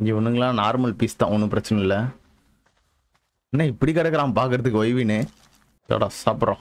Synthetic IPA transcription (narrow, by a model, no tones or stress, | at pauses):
ŋɡeɔnːɯŋɡɐlãːnaːɾmɐlpiːst̪ːã̰ːɔnːɯpɪɾɐt͡ʃːɐnɐɪlːɐ | nːãːɪpːɐɽikɐɽɛkːɐɾãːŋɐpaːɾkɯɾɐðɯkːɯʋɐjʋineː | t̪o̰ːɽa̰ːsɐpɾõ